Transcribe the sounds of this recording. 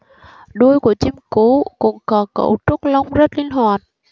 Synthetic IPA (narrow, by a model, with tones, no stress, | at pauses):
ɗu˧əjku˧˩ət͡ɕi˧mku˧˩˦kʊ̰˧˥ŋ͡mkɔ˨˦kə̰˧˩wt͡ɕu˦˥k̚la˧wŋ͡mzə˦˥t̚li˧ənɦwaː˨˩t̚